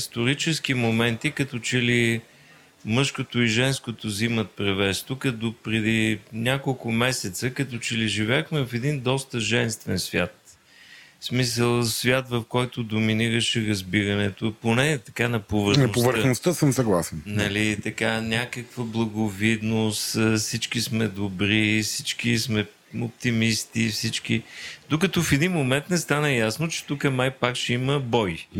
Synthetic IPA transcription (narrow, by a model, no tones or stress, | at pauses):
ist̪oɾit͡ʃɛsk̟imomɛnt̪ikɐt̪ɔt͡ʃɛli | mɤʃkot̪ʊiʒɛnskot̪ʊzimət̪̚pɾɛvɛst̪ʊkəd̪opɾɛd̪inʲakolˠkʊmɛsɛt̪səkɐt̪ɔt͡ʃɛliʒivɛxmɛvɐfɛd̪ind̪ɔst̪əʒɛnst̪vɛnsvʲjat̪̚ | smis̬əlˠsvʲjat̪vɐfkɔjt̪ʊd̪ominiɾəʃɛɾɐzbiɾɐnɛt̪oponɛt̪ɐ̥kanɐpovəɾnɐnopovəɾxnost̪əsəmsɐɡlˠasɛnnɐlit̪ɐkanʲakəkvəblˠɐɡovid̪nost̪fsit͡ʃkismɛd̪obɾifsit͡ʃk̟ismɛ | op̚t̪imist̪ifsit͡ʃk̟id̪okɐt̪ɔfɛd̪inmomɛnt̪nɛst̪anəjasnot͡ʃɛ̥t̪ukənajpakʃɛiməbɔj